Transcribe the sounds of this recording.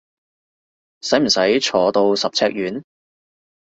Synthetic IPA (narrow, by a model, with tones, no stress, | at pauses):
sɐ˨˥jm̩˨˩sɐ˨˥jt͡ʃʰɔː˨˥t̪o˧wsɐ˨p̚t͡sʰɛː˧˥k̚jyː˨˥n